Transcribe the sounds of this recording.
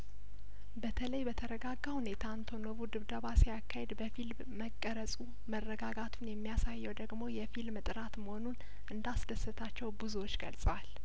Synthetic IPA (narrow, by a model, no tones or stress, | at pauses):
bət̪ʰələjbət̪ʰəɾəɡaɡːahunet̪ʰant̪ʰo̞noβud̪ɨβd̪əβasijakʰːahed̪bəfil | məkʼːəɾəsʼu | mərːəɡaɡat̪ʰunjɛmːijasajːɛwd̪əɡmo̞jɛfilmɨt̪ʼɨɾat̪məho̞nun | ʔɨnd̪asd̪əsɨt̪ʰat͡ʃːɛwbuzuwo̞t͡ʃːɡə̰lsʼwal